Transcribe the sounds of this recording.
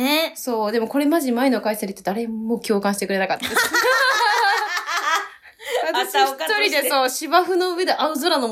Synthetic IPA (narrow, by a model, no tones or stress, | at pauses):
eso̞ːd̪e̞mo̞ko̞ɾe̞maʑimaeno̞kaisaɾʲit̪ːe̞d̪aɾe̞mːo̞kʲo̞ːkãɕit̪e̞kɯɾe̞nakat̪ːd̪e | βat̪aɕiɯ̥t̪oɾʲid̪eso̞ːɕibaɸɯ̟no̞ɯ̟e̞d̪eʔaɯzoɾanom